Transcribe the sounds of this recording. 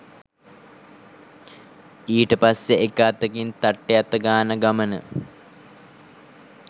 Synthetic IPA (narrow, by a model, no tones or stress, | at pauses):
iːʈəpasjeekaːt̪əkint̪aʈːejat̪ːəɡaːnəɡamənə̰